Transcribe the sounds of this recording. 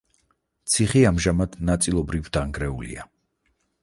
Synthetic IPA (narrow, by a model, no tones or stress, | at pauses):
t̪sʰiχiamʒamad̪̥nat̪sʼilˠɔbɾivd̪̥aŋɡɾɛṵlḭa